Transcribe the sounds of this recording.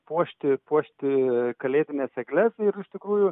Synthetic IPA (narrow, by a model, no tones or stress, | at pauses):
puɔʃʲt̪ʲɪpuɔʃʲt̪ʲɪkɐlʲeːt̪ʲɪnʲeːsɛɡlʲɛsɪɾɪʃt̪ʲɪkɾuːjʊ